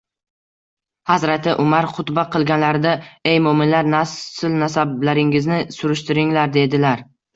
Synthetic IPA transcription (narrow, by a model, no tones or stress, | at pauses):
hazɾat̪ʰɪʔʊmaɾqʰʊt̪baqʰɨlˠɡʲanlaɾd̪aejmʊmɪnlaɾnassɪlnasablaɾɪŋɪznɪsʊɾʊʃt̪ɪɾɪŋlaɾd̪e̞d̪ɪlaɾ